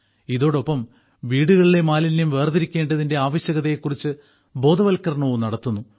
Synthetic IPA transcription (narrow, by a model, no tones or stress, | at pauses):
iðo̞ːɽo̞pːɐm | ʋiːɽuɣɐɭile̞maːlinnumʋe̞ːrd̪iɾikʲːe̞ːɳɖɐðinde̞aːʋɐɕjɐɣɐðɐjekːurit͡ɕːɨ | bo̞ːd̪ʱɐʋɐlkːɐɾɐɳoʋumnɐɽɐt̪ːunːu